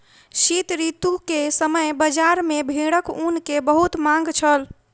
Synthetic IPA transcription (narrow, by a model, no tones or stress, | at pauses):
ʃit̪ɾit̪ukesəməjbəd͡ʒaɾmebʱiɽəkunkebəɦut̪mãŋ̆ɡt͡ʃʰəl